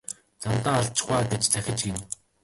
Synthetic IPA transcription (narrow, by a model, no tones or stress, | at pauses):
t͡samt̪aːɮt͡ɕɪ̥̆χwaːɡet͡ɕt͡sæxʲɪ̆t͡ɕɡen